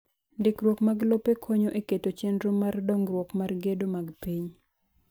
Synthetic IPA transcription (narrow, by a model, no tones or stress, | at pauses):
ndɪkɾwokmaɡlopekʰoɲoʔeketot͡ʃɛndɾomardɔŋɡɾwɔkmarɡedomaɡpiɲ